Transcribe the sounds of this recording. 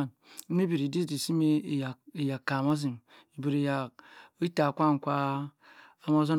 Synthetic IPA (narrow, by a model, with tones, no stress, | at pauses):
n̩˦ | me˦bi˨ɾi˨di˦di˨si˦me˦˨ji˨ja˨kːa˨ma˦zi˨m | i˨bi˨ɾi˨ja˨˦i˦ta˨kʷa˦˨n˨kʷaː˦˨ | ma˦zo˦n